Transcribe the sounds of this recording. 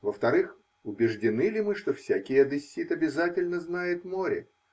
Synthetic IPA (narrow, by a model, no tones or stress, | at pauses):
vəft̪ɐɾɨx | ʊbʲɪʐdʲɪnɨlʲɪmɨʂt̪ofsʲækʲɪjəd̪ɨsʲːit̪ɐbʲɪzatʲɪlʲnəznajɪt̪mo̞ɾʲɪ̰